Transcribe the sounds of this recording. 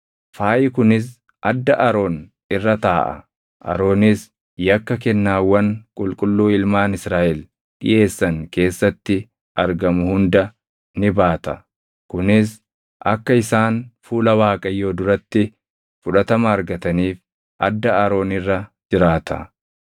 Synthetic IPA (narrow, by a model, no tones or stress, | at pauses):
faːʔɪkʊnɪs̬ | ʔɐd̪ːɐʔɐɾo̞ːn | ɪrːɐt̪aːʔɐ̰ | ʔɐ̰ɾo̞ːnɪs | jɐkːɐkɛnːaːwːɐnkʼʊlkʼʊlːuːɪlmaːnɪsɾaːʔɛl | ɗɪ̰je̞ːsːɐŋke̞ːsːɐt̪ːɪ | ʔɐɾɡɐmʊhʊnd̪ɐ | nɪbaːt̪ɐ | kʊnɪs | ʔɐ̰kːɐɪsaːnfuːlɐwaːkʼɐjːo̞ːd̪ʊɾɐt̪ːɪ | fʊᶑɐt̪ɐmɐːɾɡɐt̪ɐniːf | ʔɐ̰d̪ːɐɐɾo̞ːnɪrːɐd͡ʒɪɾaːt̪ʰɐ̰